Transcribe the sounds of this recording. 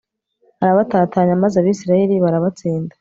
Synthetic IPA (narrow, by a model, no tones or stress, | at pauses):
haɾaβataːtaːɲamazaβisiɾajeɾiβaɾaβat͡siːndḁ